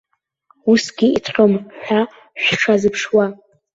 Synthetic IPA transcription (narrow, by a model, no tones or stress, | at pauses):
usɡʲiitʰqʲʼəmħʷᶣa | ʃʷᶣʈ͡ʂʰazɨpʰʂwa